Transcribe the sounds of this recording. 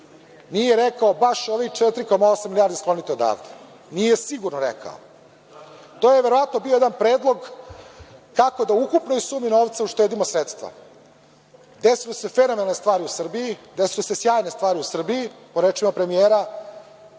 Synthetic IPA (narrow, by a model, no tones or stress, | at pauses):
nijeɾekaobaʃoʋit͡ʂet̪ɾiko̞maosamːilʲjaːɾd̪esklo̞nit̪eo̞d̪a̰ːvd̪e̥ | nijesiɡuɾnoɾekʰa̰o̰ | t̪oːjeʋeɾoʋat̪no̞biojed̪anpɾeːd̪lˠo̞ɡ | kako̞d̪aukupnoisuːmino̞ːʋt̪sauʃt̪e̞ːd̪imosɾet̪st̪ʋa̰ | d̪esilese̞fenomenalnest̪vʋaːɾiusr̩bijid̪esilesesjaːjne̞st̪vaːɾiusr̩bijipo̞ɾet͡ʂimapɾe̞mijeːɾa